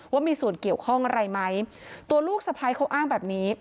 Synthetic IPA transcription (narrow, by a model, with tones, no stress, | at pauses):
waː˥˩miː˧suː˨˩ənki˨˩əwkʰɔ˥˩ŋʔa˧ɾa˧jma˦˥j | t̪u˧ɐluː˥˩k̚sa˧pʰaː˧jkʰa˦˥wʔaː˥˩ŋbɛː˨˩p̚niː˦˥